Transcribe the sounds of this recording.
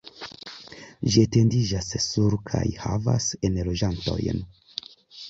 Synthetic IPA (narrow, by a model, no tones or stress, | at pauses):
d͡ʒiate̞ndid͡ʒasːuɾkʰa̰jha̰va̰senlo̞d͡ʒanto̞̰jn